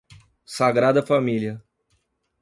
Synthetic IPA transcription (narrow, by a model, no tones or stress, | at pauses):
saɡɾad̪ɐfamiliɐ